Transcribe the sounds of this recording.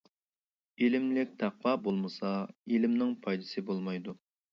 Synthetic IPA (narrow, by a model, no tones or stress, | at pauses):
elɪmlɪk̚ʲt̪ʰɑqwɑbolˠmɨsɑelɪmnɪŋpʰɑjd̪ɨsɨbolˠmɑjd̪u